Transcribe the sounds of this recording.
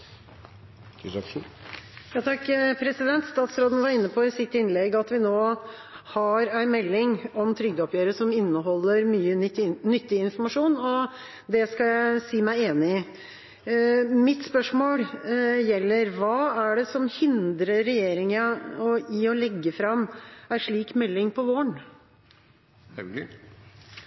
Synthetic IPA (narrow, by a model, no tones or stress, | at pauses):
jɑːt̪ʰɑkːpʰɾɛsɪd̪ɛnt̪st̪ɑːt̪sɾoːd̪ənʋɑɾɪnːəpʰɔɪsɪt̪ːɪnlɛɡɑt̪ʋɪnoːhɑɾæɪnmɛlːɪŋɔmt̪ʰɾʏɡ̚d̪əɔpjøːɾəʂɔmɪnːəɦɔlːəɾmyːənʏt̪ːɪɪnfɔmɑʂuːnɔ | d̪ɛskɑjæɪsiːmæɪeːnɪ | mɪt̪spœʂmoːljɛlːəɾʋɑːæɖɛsɔmhɪnd̪ɾəɾɛjeːɾɪŋəɔiɔlɛɡːəfɾɑmːæʂɭiːkmɛlːɪŋpʰɔʋoːɳ